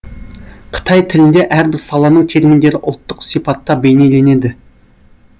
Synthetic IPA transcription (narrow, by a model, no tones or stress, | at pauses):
qʰə̥t̪ʰɑjt̪ʰɪlɪnd̪e̞ʔæɾbɪɾsɑlˠɑnəɴt̪ʰe̞ɾmind̪e̞ɾɪʔʊ̰lˠt̪ːəqsipɑt̪ːɑbe̞jnejle̞ne̞d̪ɪ